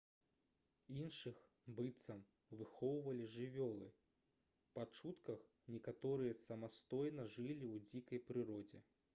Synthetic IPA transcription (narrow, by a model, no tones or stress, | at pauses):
inʂɨx | bɨt̪sɐm | vɨxɔwvɐlʲiʐɨvʲɔlˠɨ | pat͡ʂut̪kɐx | nʲɛkat̪ɔɾɨjɐsɐmast̪ɔjnɐʐɨlʲiwd͡zʲikɐjpɾɨɾɔd͡zʲɛ̰